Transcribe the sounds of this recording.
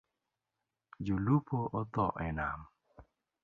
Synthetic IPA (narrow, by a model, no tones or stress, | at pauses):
d͡ʒulupoʔɔt̪ɔʔɛnam